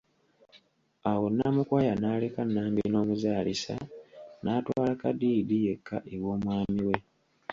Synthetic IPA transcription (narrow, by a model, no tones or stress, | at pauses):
awo̞nːaːmukwaːjanaːlekanːaːmbino̞ːmuzaːlisa̰naːtwaːlakadiːdije̞kʰːaʔewo̞ːmwaːmiwe̞